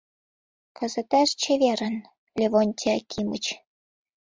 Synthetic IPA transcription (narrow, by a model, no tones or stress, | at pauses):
kʰə̆zə̆t̪æʃt͡ɕeβeɾə̆n | lʲeβonʲt̪ʲʰiɑkʲʰimə̆t͡ɕ